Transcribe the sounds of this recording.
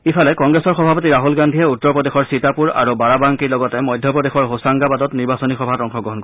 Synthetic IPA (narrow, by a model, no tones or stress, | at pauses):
ipʰalɛkɔŋɡɹesɔɹxɔbʱapɔtiɹaɦulɡandʱiɛutːɔɹpɹɔdexɔɹsitapuɹa̰ɹubaɹabaŋkiɹlɔɡɔtɛmɔjdʱjɔpɹɔdexɔɹɦosaŋɡabadɔtniɹbasɔnixɔbʱatɔŋxɔɡɹɔɦɔnk